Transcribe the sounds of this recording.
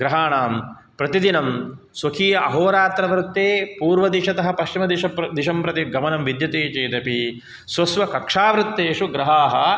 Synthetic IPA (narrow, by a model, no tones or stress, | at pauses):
ɡɾɐɦaːɳaːm | pɾɐt̪id̪inɐm | swɐkʰiːjɐʔɐɦoːɾaːt̪ɾɐʋɾɪt̪ːeːpuːɾʋɐd̪iʂɐt̪ɐɦɐ̆pɐʃt͡ʃimɐd̪iʃɐd̪iʃɐmpɾɐt̪iɡɐmɐnɐmʋid̪jɐt̪eːt͡ʃeːt̪ɐpi | sʋɐsʋɐkɐkʂaːʋɾɪt̪ːeːʂuɡɾɐɦaːɦɐ